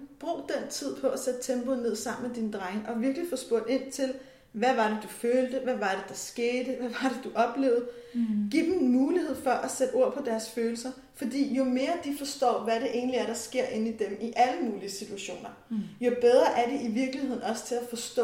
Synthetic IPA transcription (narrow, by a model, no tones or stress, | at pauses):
b̥ʁo̰ːd̥en̰t͡sʰið̰ˠpʰɒ̽æsed̥̚t͡sʰemb̥onːe̝ð̞̰ˠsɑ̈m̰n̩med̥ind̥ʁaŋəʔɒ̽ʋiɐɡ̥lifɒ̽sb̥ɔɐ̰d̥e̝n̰t͡sʰe̝l | ʋæʋɑ̈ɾ̥ed̥uføːld̥əʋæʋɑ̈ɾ̥e̝d̥ɑ̈sɡ̥e̝ːd̥əʋæʋɑ̈dɾ̥e̝d̥uʔɒ̽b̥le̝̰ːʊð̩ˠɡ̥ḭd̥m̩nmuːlihe̝ð̞̰ˠfɒʔæsed̥o̝ɐ̰pʰɒ̽d̥æɐsføːl̩sɐ | fɒ̽d̥ḭːjo̝me̝ːɐd̥ifɒ̽sd̥ɒ̰ːʋæɾe̝ʔe̝̰ːnliæɐɾ̥ɑ̈sɡ̥e̝ɐ̰ʔe̝nid̥emiʔæləmuːliəsit͡sʰuæɕo̝̰ːnɐ | jo̝b̥eð̞ˠʁɐʔæɐɾe̝ʔiʋiɐɡ̥lihe̝ð̞̰ˠn̩ɒ̽sə̥t͡sʰe̝læfɒ̽sd̥ɔ̰